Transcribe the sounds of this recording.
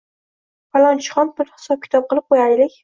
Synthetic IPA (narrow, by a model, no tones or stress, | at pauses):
falˠɒnt͡ʃʰɪ̥χɒnbʊɾhɪ̥sɒp̚kʲʰɪ̥t̪ʰɒp̚qʰɨlˠɪp̚qʰojaɾlɪkʲ